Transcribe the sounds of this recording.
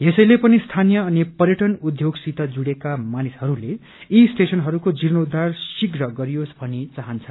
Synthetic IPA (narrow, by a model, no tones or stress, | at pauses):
jesʌjlepʌnist̪ʰanijʌːnipʌrjʌʈʌnud̪ʱjoɡsit̪ʌd͡zuɽekamanishʌɾule | isʈesʌnɦʌɾukod͡ziɾnod̪arsiɡrʌɡʌɾijosbʱʌnit͡saɦʌnt͡sʰʌ